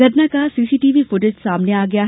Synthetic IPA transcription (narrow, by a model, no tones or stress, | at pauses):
ɐɾnakasiːsiːʈiːʋifʊʈɪd͡ʒsaːmneaːɡɐjaɦ